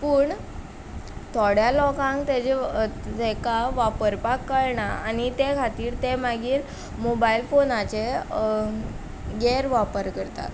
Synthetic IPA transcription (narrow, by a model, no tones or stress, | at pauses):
pəːɳ | t̪ʰɔɽ̤jalɔkãŋkt̪ed͡ʑed͡zekaʋapəɾpakːəɭɳaanit̪ekʰat̪iːɾt̪emaɡiːɾ | mobailfonat͡ɕe | ɡeɾʋapəɾkəɾt̪a̰t̪